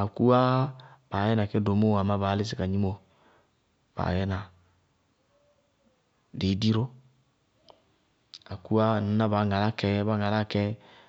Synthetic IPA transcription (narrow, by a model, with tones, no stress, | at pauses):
a˨ku˦a˦b̥a˨jɛ˦n˨a˨kɛ˦do˨˦mo˦a˨ma˦baː˨˦li˦s̬i˨ka˨ɲi˦mo˨ | b̥a̰ː˨jɛ˦na˨ | de˨˦di˦ɾo˦ | a˨ku˦a˦˨na˨na˦ba˨˦ŋa˨la˦kɛ˦ba˦ŋa˨la˦˨kɛ˦